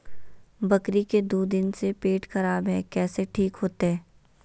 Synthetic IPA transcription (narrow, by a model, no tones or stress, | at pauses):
bɐkɾiked̪uːd̪ɪnsepeːʈxɐɾaːbɦɛːkɛːseʈʰiːkɦoːt̪eɦɛː